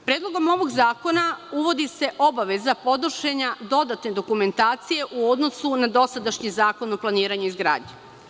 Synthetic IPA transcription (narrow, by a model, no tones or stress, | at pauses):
pɾeːd̪lˠo̞ɡo̞mo̞ʋo̞ɡzaːko̞nauʋo̞d̪ise̞ʔo̞baʋe̞zapo̞d̪r̩ʃeɲad̪o̞d̪at̪ne̞d̪o̞kume̞nt̪aːt̪sije̞ʔuo̞d̪nosunad̪o̞sad̪aʃɲizaːko̞noplˠaniːɾaɲuizɡɾa̰ːdɲe